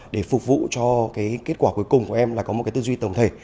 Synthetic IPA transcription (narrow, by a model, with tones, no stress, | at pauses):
ɗe˧˩fʊ˨˩k͡p̚vṵ˧˨t͡ɕɔ˧kaː˨˦jke˦˥t̚kwaː˧˩ku˨˦jkʊ˨˩ŋ͡mku˧˩əʔɛ˧mlaː˨˩kɔ˨˦m̚˨˩kaː˨˦t̪ɨ˧zwi˧t̪ə˨˩wŋ͡mt̪ʰe˧˩